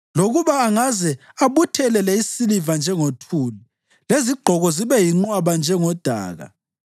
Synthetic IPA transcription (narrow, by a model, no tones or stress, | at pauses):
loɣuβaːŋazɛ | aβutʰɛlɛlɛisilivand͡ʒʱɛŋotʰuːli | leziɡ͡ǃʱɔɣɔziβɛjiŋ͡ǃwaβand͡ʒʱɛŋɔd̥ʱa̰ːɣa̰